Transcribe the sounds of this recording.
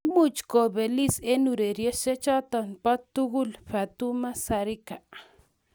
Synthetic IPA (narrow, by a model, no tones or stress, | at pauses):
mut͡ʃkobelisenuɾeɾjeset͡ʃat̪anpat̪ːuɣulɸat̪umasaɾika